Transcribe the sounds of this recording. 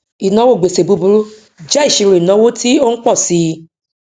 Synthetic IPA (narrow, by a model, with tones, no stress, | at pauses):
i˨nã˨˦wo˦˨ɡ͡be˨se˨bu˨˧bu˧˦ɾu˦ | d͡ʒɛ˦i˦˨ʃi˨˧ɾu˨i˨nã˨˦wo˦ti˦o˦n̩˦k͡pɔ˦˨si˧